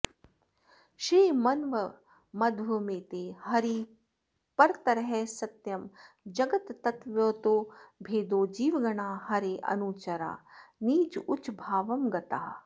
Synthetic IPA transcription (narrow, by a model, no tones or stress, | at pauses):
ʃɾiːmɐnʋə | mɐd̪ʋɐmeːt̪eːhɐɾiː | pɐɾt̪ɐɾɐɦɛsɐt̪jɐm | d͡ʒɐɡɐt̪ːɐt̪ʋjoːt̪oːbʱeːd̪oːd͡ʒiːʋɡɐɳaːhɐɾeːʔɐ̰nuːt͡ʃɐɾa̰ːniːd͡ʒʊt͡ʃbʱaːʋɐmɡɐt̪a̰ː